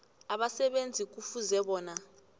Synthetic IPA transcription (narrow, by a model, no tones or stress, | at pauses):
aɓasɛɓend͡zʱik̬ufuzɛɓɔːna